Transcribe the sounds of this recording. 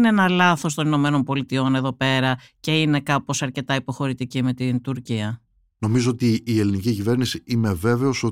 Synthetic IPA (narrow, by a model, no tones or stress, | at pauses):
neenɐlɐθo̞st̪o̞nino̞me̞no̞mpo̞lit̪io̞ne̞ðo̞pe̞ɾɐce̞ine̞kɐpo̞sɐɾce̞t̪ɐipo̞xo̞ɾit̪icime̞t̪int̪uɾciɐ | no̞mizoot̪iːe̞linicicive̞ɾnisiime̞ve̞ve̞o̞so